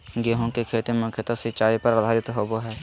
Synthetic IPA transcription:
ɡɛːɦõkekʰeːt̪imʊkʰjət̪asɪtːt͡ʃʃaːipɐɾəd̪ʱaːɾɪt̪ɦoːboɦɛː

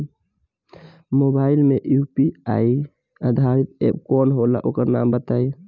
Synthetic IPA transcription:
mobailmeʔjupia̰j | əd̪ʱaɾit̪ḛpkɔnɦola̰ʔokəɾna̰mbət̪aj

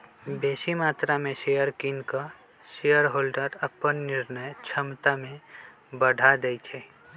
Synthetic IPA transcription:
beːsimaːt̪ɾamẽʃejəɾkinka | ʃejəɾɦoːlɖəɾəpːənːɪɾnəjt͡ʃʰəmt̪amẽ | bəɖʱad̪eit͡ʃʰɛ

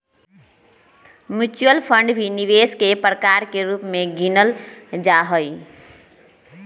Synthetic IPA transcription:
mjut͡ʃuəlpʰə̃ɳɖbʱiniʋeskepɾəkaɾkeɾupmẽɡinəld͡ʒaɦəi

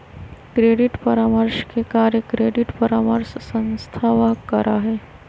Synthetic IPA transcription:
kɾeːɖɪʈpəɾaːməɾʃkekaːɾjəkɾeːɖɪʈpəɾaːməɾssə̃nst̪ʰaːʋakɐɾʔaɦɛː

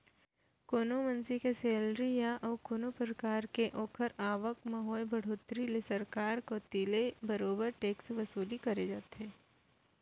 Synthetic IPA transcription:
koːnomɐ̃nsikeseːlɾijaʔɔːkoːnopɾəkaːɾkeʔɔːkʰəɾaːʋək̚mɐɦɔːjbʱɐɽ̤oːt̪ɾilesɐɾkaːɾkot̪iːlebɐɾoːbəɾʈeːksʋɐsuːlikɐɾed͡ʒaːt̪eː

